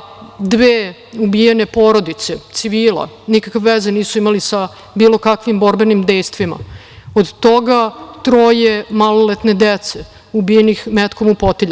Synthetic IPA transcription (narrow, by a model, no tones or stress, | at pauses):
d̪ʋeː | ubijene̞poɾod̪it̪set̪siʋiːlˠa̰nikakʋeʋezeniːsuimalisa | biːlˠo̞kakʋimbo̞ɾbenimd̪ejst̪ʋima̰ | od̪t̪oɡat̪ɾojemalolet̪ne̞d̪et̪se | ubijenixmet̪komupot̪iʎ